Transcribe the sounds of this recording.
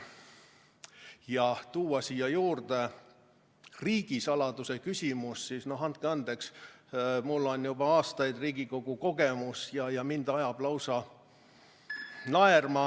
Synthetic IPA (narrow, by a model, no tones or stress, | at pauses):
jɑt̪uːwɑsiːjɑjuːrd̪̥e | riːɡ̥isɑlɑd̪̥use̞kysʲimusːiːsno̞ɦɑnt̪̚keɑnd̪eks | mulːo̞njub̥ɑɑːst̪ɑjd̪riːɡ̥iko̞ɡ̥uko̞ɡ̥e̞musjɑjɑmind̪̥ɑjɑb̥lɑwsɑ | nɑermɑ